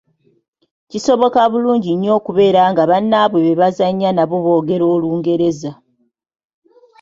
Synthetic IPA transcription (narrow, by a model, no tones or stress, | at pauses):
ciso̞βo̞kaβuluːɲɟiɲːo̞ːkuβe̞ːɾaŋɡaβanːaβwe̞βeβazaɲːanaβoβo̞ːɡe̞ɾo̞ːluːŋɡe̞ɾe̞za